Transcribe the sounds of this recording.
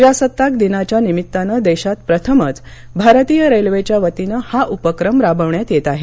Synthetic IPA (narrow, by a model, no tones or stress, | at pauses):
d͡ʑasət̪ːak̚d̪inat͡ɕjanimit̪ːanəd̪eɕat̪̚pɾət̪ʰəmət͡sbʱaɾt̪iːjəɾelʋet͡ɕjaʋət̪inəhaʔupəkɾəmɾabəʋɳjat̪jet̪aɦe